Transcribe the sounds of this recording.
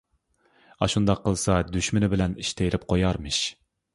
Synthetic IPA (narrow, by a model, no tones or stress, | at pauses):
ɑʃund̪ɑqʰːəlˠsɑd̪yʃmɪnɪbɪlɛniʃt̪ʰejɾɪp̚qʰojɑɾmɨʃ